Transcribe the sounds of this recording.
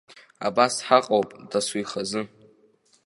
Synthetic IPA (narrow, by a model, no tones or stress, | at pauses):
a̰basħaqʼowpʼd̥aswijχazɨ